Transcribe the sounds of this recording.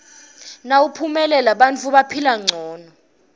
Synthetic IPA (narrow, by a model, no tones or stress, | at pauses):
naupʰumɛlɛlaɓant͡fʰuɓapʰilaŋ͡ǀʱɔːnɔ